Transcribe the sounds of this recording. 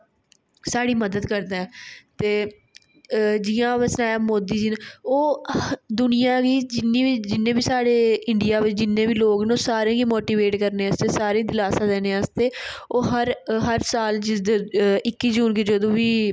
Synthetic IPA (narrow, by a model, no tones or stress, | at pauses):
saːɽiːməd̪əd̪kəɾd̪aːɛːt̪eː | d͡ʒɪːãːʋəsnaːjaːmoːd̪iːd͡ʒiːnːoːd̪ʊnɪjãːɡiːd͡ʒɪnːĩːiːd͡ʒɪnːẽːbiːsaːɽeːɪɳɖɪjaːʋɪt͡ʃd͡ʒɪnːẽːʋiːloːɡnoːsaːɾẽːɡiːmoːʈiːʋeːʈkəɾneːəst̪eːsaːɾẽːd̪ɪlaːsãːd̪ɛːneːɛst̪eːoːɦəɾɦəɾsaːld͡ʒɪd̪ɪkːiːd͡ʒuːnkiːd͡ʒəd̪õːʋiː